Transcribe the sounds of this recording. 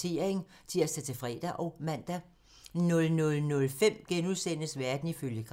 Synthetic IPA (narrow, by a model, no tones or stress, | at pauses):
e̝̰ːɐ̰eŋ | t͡sʰiɐsd̥æt͡sʰe̝fʁɛ̰ːd̥æʔɒ̽ʊmæn̰d̥æ | nɔ̽lnɔ̽lnɔ̽lfem̰ɡ̥enuðˠsen̰əsʋæɐd̥n̩iføljəɡ̥ʁ